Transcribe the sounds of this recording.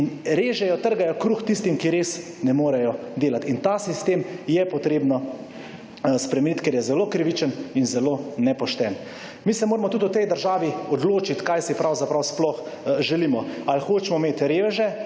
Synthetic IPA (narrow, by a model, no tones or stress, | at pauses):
inɾeːʒɛjɔt̪əɾɡajɔkɾuːxt̪ist̪imkiɾeːs | nɛmoːɾɛjɔd̪eːlat̪int̪asist̪eːmjɛpɔt̪ɾeːbnɔ | spɾɛmɛnit̪keɾjɛzɛloːkɾiʋit͡ʃəninzɛloːnɛpɔʃt̪ɛn | miːsɛmoːɾmɔt̪ut̪ʊt̪ɛjd̪əɾʒaːʋiɔd̪loːt͡ʃit̪kajsipɾawzapɾawsplɔxʒɛliːmɔalxoːt͡ʃmɔmeːt̪ɾeːʋɛʒɛ